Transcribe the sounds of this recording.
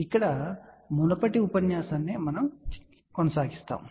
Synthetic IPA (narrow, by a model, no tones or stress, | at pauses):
ikːɐɽɐmunɐpɐʈiupɐnjaːsaːnːemɐnɐm | kɔnɐsaːɡist̪a̰ːm